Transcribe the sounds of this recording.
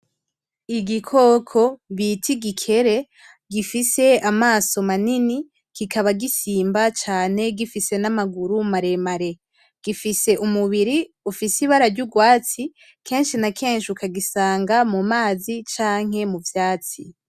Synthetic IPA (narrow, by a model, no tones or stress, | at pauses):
iɡikʰo̞ːkʰo̞βitʰiɡikʰe̞ɾe̞ | ɡifise̞amaːso̞manini | kikʰaβaɡisiːmbat͡ʃaːne̞ɡifise̞namaɡuɾumaɾe̞maɾe̞ | ɡ̥ifise̞ʔumuβiɾi | ufisiβaɾaɾɟuɡwaːt͡si | kʰe̞ːnʃinakʰe̞ːnʃiukaɡisaːŋɡamumaːzit͡ʃaːŋ̥e̞muvjaːt͡si